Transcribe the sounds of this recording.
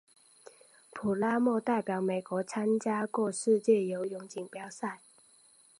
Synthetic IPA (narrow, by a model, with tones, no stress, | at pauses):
pʰu˨˩la˦mɔ˥˧t̪a˥˩ɪpjɑ˨˩ʊme˨˩ɪkwɔ˧˥t͡sʰa˦˥nt͡ɕja˦kwɔ˥˧ʂɻ̩˥˧t͡ɕjɛ˥˨jo˧˦ʊjʊ˧˥ŋt͡ɕi˨˩ŋpjɑ˥ʊsa˥˨ɪ